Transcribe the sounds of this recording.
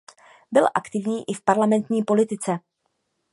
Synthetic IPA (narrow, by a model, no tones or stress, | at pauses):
bɪlʔakt̪ɪvɲiːʔɪfpaɾlamɛnt̪ɲiːpo̞lɪt̪ɪt͡sɛ